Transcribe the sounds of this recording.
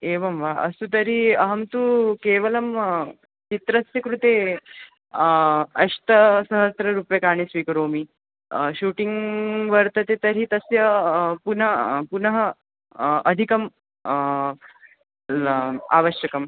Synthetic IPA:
eːʋɐmʋaʔɐsut̪ɐɾiɐɦɐmt̪ukeːʋɐlɐm | t͡ʃit̪ɾɐsjɐkɾut̪e | ɐɕt̪əsəɦəsɾɐɾuːpjɐkaːɽ̃isʋiːkɾoːmi | ɕuːʈiŋɡʋɐɾt̪ɐt̪et̪ɐɾit̪ɐsjɐpunɐpunɐɦɐː | d̪ʱikɐm | a̰ːʋəɕjɐkɐm

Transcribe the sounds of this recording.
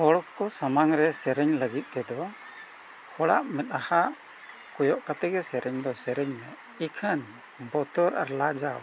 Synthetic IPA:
hɔɽɔkkɔsamaŋɾɛsɛɾɛɲləɡit̪̚ˀt̪ɛd̪ɔ | hɔɽa̰ʔmɛt̪̚ˀaha | kɔjɔʔkat̪ɛɡɛsɛɾɛɲd̪ɔsɛɾɛɲnɛ | ikʰən | bɔt̪ɔɾʔa̰ɾlad͡ʒaw

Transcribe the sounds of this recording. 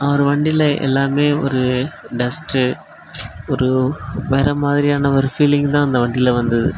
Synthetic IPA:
ɐʋɐɾɯʋɐɳɖɪlɐʔɛ̰lːaːmeːɔ̰ɾɯɖɛsʈɯ | ɔɾɯʋɛːɾɐmaːðɪɾɪjaːnɐɔɾɯfiːlɪŋɡt̪ãːɐnd̪ɐʋɐɳɖɪlɐʋɐnd̪ɐðɯ̰

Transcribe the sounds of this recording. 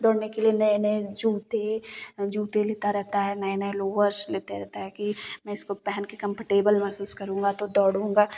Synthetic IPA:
d̪ɔːɽnekelienɐĩnɐĩd͡ʒuːt̪ed͡ʒuːt̪eleːt̪aɾɛɦt̪aɦɛnɐĩnɐĩloːʋəɾsleːt̪eɾɛɦt̪aɦɛkimɛ̃ːɪskopɛɦɛnkekɐ̃mpəʈeːbəlmɛɦsuːskɐɾũːŋɡat̪od̪ɔːɽũːŋɡaː

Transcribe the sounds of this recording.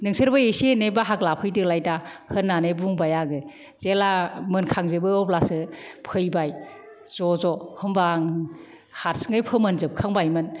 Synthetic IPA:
nɯŋsʰɯɾbɯesenebaɦaklapʰɯjdɯlajtahɯnːanebuŋbajaɡɯ | zelamɯnkʰaŋzɯbɯɔplasɯpʰɯjbaj | zɔzɔhɯmbaŋ | haɾsŋɯjpʰɯmɯnzɯp̚kʰaŋbajmɯn

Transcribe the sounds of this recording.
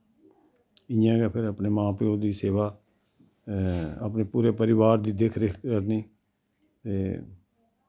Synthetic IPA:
ɪjãːɡɛːpʰɪɾəpneːmãːpɪjoːd̪iːseːʋaː | a̰pneːpuːɾeːpəɾɪʋaːɾd̪iːd̪ekʰɾekʰkəɾneː | t̪eː

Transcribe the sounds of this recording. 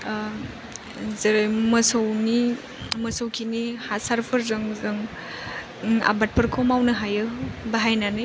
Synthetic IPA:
zɐɾajmɐsɐwni | mɐsɔwkʰinihasaɾpʰɐɾzɯŋzɯŋ | a̰bat̚pʰɐɾkʰomawnɐɦajɯbaɦajnanɯ

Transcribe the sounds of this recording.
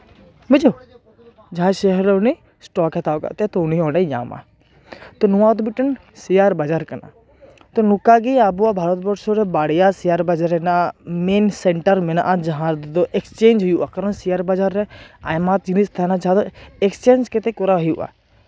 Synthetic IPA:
mɪd͡ʒo | d͡ʒɦãʃeɦɛɾeune | sʈɔːkɐt̪aːka̰t̪et̪ʊniõːneja̰ːma̰ | t̪onuãːt̪bɪʈən | sijaːɾbad͡ʒaːɾkɐna̰ | t̪onukaɡiabuabʱaːɾət̪̚bəʈsoɾɛbaːɽijasijaːɾbad͡ʒaɾenameːnseɳʈəɾmena̰ʔad͡ʒɐɦãːɾd̪id̪oʔekst͡ʃeːnd͡ʒjuakɐɾənsijaːɾbad͡ʒaɾːɛaːjmaːt̪̚d͡ʒinist̪ʰanad͡ʒad̪oekst͡ʃeːnd͡ʒket̪ekoɾaɦijuʔa̰ː

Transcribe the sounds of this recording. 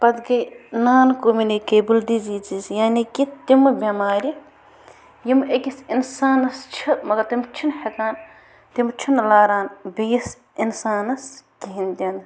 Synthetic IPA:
pɐd̪ɡɐjnaːnkoːminikeːbuld̪iziːt͡ʃizjaːnikit̪imbʲɐmaːɾʲi | jimekisinsaːnɐst͡ʃʰimɐɡɐɾt̪imt͡ʃʰinhɐkaːn | t̪imt͡ʃʰinlaːɾaːnbijis | insaːnɐskiɦind̪ʲɐn

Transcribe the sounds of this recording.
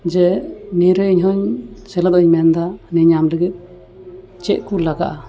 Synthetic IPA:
d͡ʒɛniɾəiɲɦɔɲsɛlat̪ɔiɲmɛnd̪anɛɲamləɡit̪̚ | t͡ʃɛʔkulaɡa̰ʔa

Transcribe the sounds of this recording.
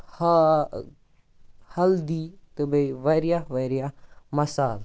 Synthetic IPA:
h | hɐld̪it̪ɨbɐiʋɐɾijaʋɐɾijamɐsaːl

